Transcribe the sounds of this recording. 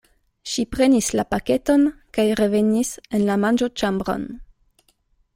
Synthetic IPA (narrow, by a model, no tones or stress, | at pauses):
ʃipɾe̞nislapake̞to̞nkajɾe̞ve̞nise̞nlamand͡ʒo̞t͡ʃambɾo̰n